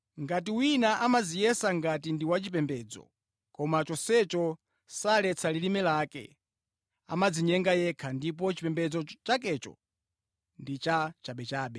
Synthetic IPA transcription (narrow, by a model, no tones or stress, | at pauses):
ŋɡat̬iwinaʔamazijɛsaŋɡat̬indiwat͡ʃip̬ɛmbɛːd͡zɔ̰ | kɔmat͡ʃɔsɛt͡ʃɔ | salɛt͡sʰalilimɛlaːkɛ̰ | a̰mad͡ziɲɛŋɡajɛkʰandip̬ɔt͡ʃipɛmbɛd͡zɔt͡ʃakɛt͡ʃɔ̰ | ndit͡ʃat͡ʃaɓɛt͡ʃaːɓɛ